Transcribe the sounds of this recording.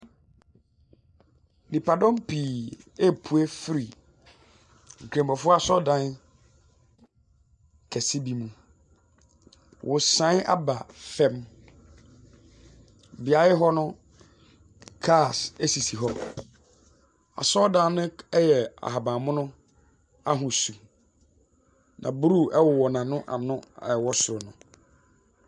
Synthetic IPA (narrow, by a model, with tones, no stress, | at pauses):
nĩ˨pʰa˨dɔ̃˦mpiː˨ɛ˦pʰu˨e˦fi˦ɾi˨ | ŋ̩˨kʰẽ˨mbɔ˨fʊ˦a˨sɔ˦dã˦n | kʰɛ˨si˦bi˨˦mũ˦ | wʔʊ˨sã˨˦n˦a̰˦ba˨fɛ̃˦m | bɪ˨a˨˦ɪ˦ɦɔ˦nʊ̃˦ | kʰa˦˨sæ˦si˨si˨ɦɔ˦ | a̰˨sɔ˦dã˦n˦nʊ̃˦jɛ˨a̰˨ɦa˨bã˨mʊ̃˦nʊ̃˦ | a˦ɦʊ̃˨su˨ | nʔã̰˨bu˦ɾu˦˨ʔɛ˦wʊ˨wɔ˨nã˨nʊ̃˦ʔa̰˨nʊ̃˦˨wɔ˦sʊ˨ɾʊ˨nʊ̃˨